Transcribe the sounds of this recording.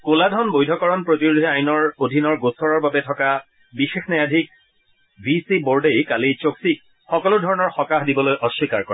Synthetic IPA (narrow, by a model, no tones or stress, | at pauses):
koladʱɔnbojdʱɔkɔɹɔnpɹotiɹudʱiajnɔɹodʱinɔɹɡosɔɹɔɹbabɛtʰɔka | bixexnɛjadʱik̚ | bʱisiboɹdejkalit͡ʃoksik̚ | xɔkɔlʊdʱɔɹɔnɔɹxɔkaxdibɔlojʔɔʃwikaɹkɔɹɛ